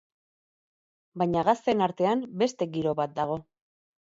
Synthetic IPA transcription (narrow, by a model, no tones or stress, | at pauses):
bajɲaɣast̪e̞naɾt̪e̞ambe̞st̪e̞ɡiɾo̞βat̪̚d̪aɣ̞o̞